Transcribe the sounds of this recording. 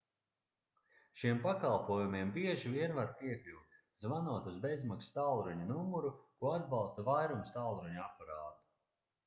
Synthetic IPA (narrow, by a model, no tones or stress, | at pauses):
ʃiɛmpakalˠpuɔjumiɛmbiɛʒiviɛnvaɾpiɛklʲuːt̪ | zvanuɔt̪uzbezmakst̪alˠɾuɲunumuɾukuɔad̪̚bɑlˠst̪avajɾumst̪alˠɾuɲuapaɾaːt̪u̥